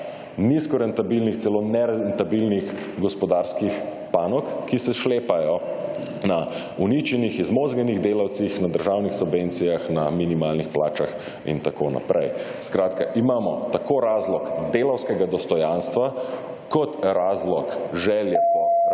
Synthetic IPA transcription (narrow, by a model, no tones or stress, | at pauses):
niskɔɾɛnt̪abilnixt̪sɛlonɛɾɛnt̪abilnix | ɡɔspɔd̪aɾskix | paːnɔkːisɛʃleːpajɔ | na | unit͡ʃɛnixizmozɡaniɣd̪eːlawt̪sixnad̪əɾʒawnixsubvent̪sijaxna̰minimalnixplaːt͡ʃa̰x | ḭnt̪akoːna̰pɾʔɛ̰jskɾaːt̪ka̰ʔimaːmɔ̰t̪akoɾaːzlɔkd̪eːlawskɛɡad̪ɔst̪ɔjanst̪ʋa | kɔt̪ɾaːzlɔkʒɛlja